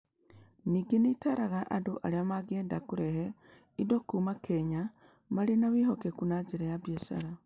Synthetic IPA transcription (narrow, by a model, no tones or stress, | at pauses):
niɡenitaɾaɣaʔadoʔaɾeamaɡeːndakuɾɛhe | idokuːmakʰeɲa | maɾenawiɦokekunad͡ʒeɾejaβjesa̰ɾa